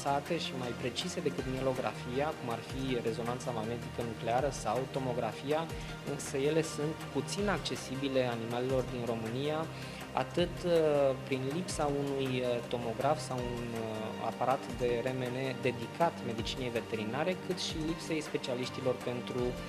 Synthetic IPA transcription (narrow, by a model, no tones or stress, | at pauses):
sat̪e̞ʃimajpɾe̞t͡ʃise̞d̪e̞kɨt̪mjelo̞ɡɾʔa̰fijakumarfire̞zo̞nant̪samaɡne̞t̪ikənukle̞aɾəsawt̪o̞mo̞ɡɾafija | ɨnsəje̞le̞sunt̪put̪sinak̚t͡ʃe̞sibile̞animalelo̞rd̪inro̞mɨnija | a̰t̪ɨt̪pɾinlipsaunujt̪o̞mo̞ɡɾafsawuna̰paɾat̪d̪e̞ɾe̞mene̞d̪e̞d̪ikʰat̪me̞d̪it͡ʃine̞jve̞t̪e̞ɾinaɾe̞kɨt̪ʃilipse̞jspe̞t͡ʃialiʃt̪ilo̞rpe̞nt̪ɾu